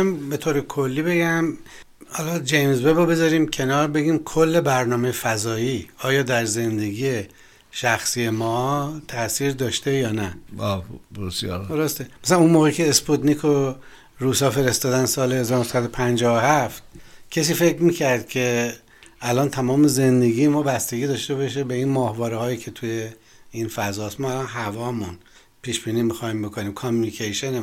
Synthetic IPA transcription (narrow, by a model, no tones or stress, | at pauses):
mbet̪ʰoːɾekʰo̞lːiːbe̞ɡæm | hɒːlɒd͡ʒejmzbebobe̞zɒːɾiːmcʰe̞nɒːɾbe̞ɡiːmkʰolːe̞bæɾnɒːmejefæzɒːiːɒːjɒːd̪æɾze̞nd̪e̞ɡiːje̞ | ʃæxsije̞mɒːt̪ʰæʔsiːɾd̪ɒːʃt̪ejɒːnæɒbesjɒ̰ɾd̪oɾost̪emæ̥sælænunmoːɣecʰe̞ːsput̪nikʰo | ɾuːsɒːfe̞ɾest̪ɒːd̪ænsɒːlehezɒːɾonsæd̪o̞pʰænd͡ʒɒːohæft̪cʲʰes̬iːfe̞cɾmiːcʰæɾd̪̚cʲʰe̞ | ælɒːnt̪ʰæmɒːme̞ze̞nd̪e̞ɡiːemɒːbæst̪e̞ɡiːd̪ɒːʃt̪e̞βɒʃ̬ebeinmɒːhvɒːɾehɒːjiːcʰe̞t̪ʰuje | infæzɒːsmɒælɒːnɦævɒːmun | pʰiːʃb̥iːniːmixɒːimbe̞kʰoniːmkʰomunikʰejʃene